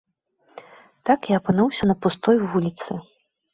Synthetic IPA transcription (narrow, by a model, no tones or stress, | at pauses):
t̪akaɐpɨnuwsʲɐnɐpust̪ɔjvulʲit̪sɨ